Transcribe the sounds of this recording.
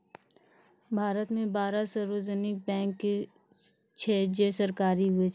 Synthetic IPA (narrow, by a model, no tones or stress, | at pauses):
bʱaːɾət̪mẽbaːɾasəɾoːd͡ʒənɪk̚bɛ̃ːŋkːe | t͡ʃʰɛːd͡ʒeːsəɾkaːɾiɦʊe